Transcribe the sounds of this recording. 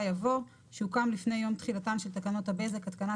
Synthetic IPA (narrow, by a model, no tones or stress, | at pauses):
javo̞ʁ | ʃeukamlifnejːo̞mt̪χilat̪anʃelt̪akano̞t̪habe̞zekat̪kana